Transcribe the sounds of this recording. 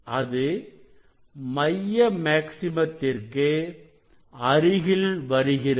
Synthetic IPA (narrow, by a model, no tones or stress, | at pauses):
ɐðɯ | mɐjːɐmaːksɪmɐt̪ːɪrkɯ | ɐɾɯɣɪlʋɐɾɯɣɪrɐ